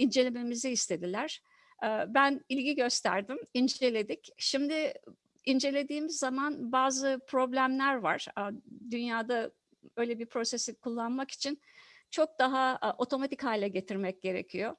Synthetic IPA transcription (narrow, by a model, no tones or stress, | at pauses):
ind͡ʒe̞lʲeme̞miziist̪ʰe̞d̪ilʲæɾ̥ | ɛbænilʲɟiɟø̞st̪ʰæ̰ɾd̪imind͡ʒe̞lʲe̞d̪icʃimd̪ɪ | ind͡ʒe̞lʲe̞d̪iːmizːamanbaːzɯpʰɾo̞blʲæmlʲæɾva̰ɾ̥d̪ynjaːd̪a | ø̞jlʲebiɾpʰɾo̞se̞sikʰulˠːanmaki̥t͡ʃʰin | t͡ʃʰo̞k̚d̪aɦaʔo̞t̪ʰo̞mat̪ʰichaːlʲɛɟe̞t̪ʰiɾmɛc̚ɟe̞ɾḛcʰijo̞